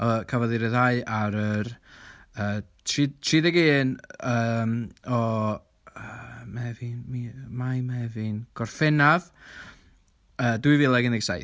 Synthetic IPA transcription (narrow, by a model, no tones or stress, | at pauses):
ɔkʰavɔðɨɾɛðaɨʔaɾər | əːtʰritʰriːðɛɡeːnəːmɔ | əmaɛvinmimajmaɛvinɡ̥ɔrfɛnav | əːdwɨvilˠɛɡənɡsaj